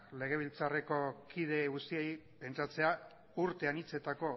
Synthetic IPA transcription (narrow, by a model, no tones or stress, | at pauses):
le̞ɣ̞e̞β̞ilt͡sare̞ko̞kið̞e̞ɣust̪iejpe̞nt͡sat͡se̞a | uɾt̪e̞anit͡se̞t̪ako̞